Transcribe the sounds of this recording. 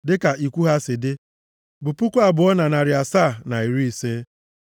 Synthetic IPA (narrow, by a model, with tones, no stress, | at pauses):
dɪ˦ka˨ʔi˨kʷu˦ɦa˦sɪ˨dɪ˦ | bʊ˨pu˦kʷa˨bʊ˨ɔ˦na˨na˨ɾɪ˨a˨saː˦˨na˨i˨ɾi˦i˨seː˦